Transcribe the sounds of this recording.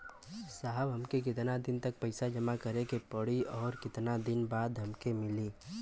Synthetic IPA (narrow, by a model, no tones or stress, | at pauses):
saːɦəbɦɐmkek̬ɪt̪nad̪ɪnt̪ɐk̚pɐɪsad͡ʒɐmakəɾekepəɽiɔːɾkɪt̪nad̪ɪnbaːd̪ɦɐmkemɪliː